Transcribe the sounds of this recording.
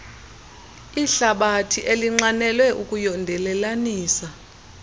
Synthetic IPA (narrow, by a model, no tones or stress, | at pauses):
iɬaɓatʰiʔeliŋ͡ǀanɛlwɛʔukʼujɔndʱɛlɛlaniːsa